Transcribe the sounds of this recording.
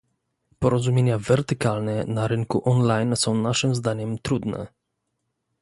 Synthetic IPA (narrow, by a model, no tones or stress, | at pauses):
pɔɾɔzumʲjeɲavɛɾt̪ɘkalnɛnaɾɘŋkuʔɔnlajnsɔ̃w̃naʂɘmzd̪aɲɛmt̪ɾud̪nɛ̰